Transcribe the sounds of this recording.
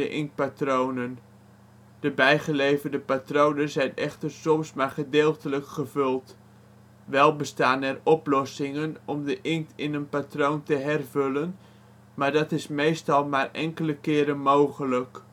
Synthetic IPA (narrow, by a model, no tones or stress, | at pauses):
əʔɪŋ̚patrownən | d̥əbɛjχəlejvərdəpatrownəzɛjnɛχtərsɔmsmarχədɪːlˠtələkχəvɵlˠt | ʋɛlˠbəstaːnɛrɔplɔsɪŋənɔmdəʔɪŋtɪnənpatrowntəɦɛrvɵlən | maːɹdɑtɪsmejstɑlˠmaːrɛ̰ŋkələkɪːɾənmowχələk